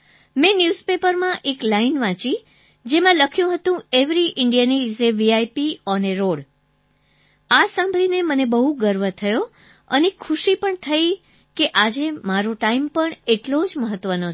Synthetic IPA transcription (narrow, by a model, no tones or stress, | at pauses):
mẽnjuzpepəɾmãʔeklainʋãt͡ʃĩ | d͡ʒemãləkʰjũɦət̪ũeʋɾiʔɪɳɖijanizeʋiajpiɔneɾoɽ | asãmbʱɾinemənebəɦuɡəɾʋət̪ʰəjo | ə̰nekʰuʃipəɳt̪ʰəj | keʔad͡ʒemaɾoʈaimpəɳeʈlod͡ʒməɦət̪ːʋəno